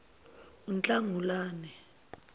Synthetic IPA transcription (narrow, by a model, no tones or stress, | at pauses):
unt͡ɬʼaŋʱulaːnɛ